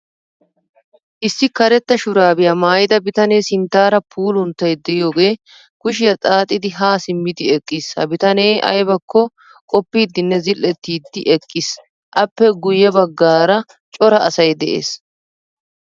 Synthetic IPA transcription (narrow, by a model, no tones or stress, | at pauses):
ʔɪsːɪkɐɾɛt̪ːɐʃʊɾaːbɪjamaːjɪd̪ɐbɪt̪ɐne̞ːsɪnt̪ːaːɾɐpʰuːlʊnt̪ːɐjd̪ɛjjo̞ːɡe̞ː | kʊʃɪjɐt͡sʼaːt̪ʼɪd̪ɪɦaːsɪmːɪd̪ɪɛkʼːiːshɐ̰bɪt̪ɐneːʔɐ̰jbɐkːɔ | kʼɔpːiːd̪ːɪnːɛzɪlːɛt̪ːiːd̪ːɪʔɛkʼːis | ʔɐpːɛɡʊjːɛbɐɡːaːɾɐ | t͡ʃʼɔɾɐʔɐsɐjd̪ɛʔḛːs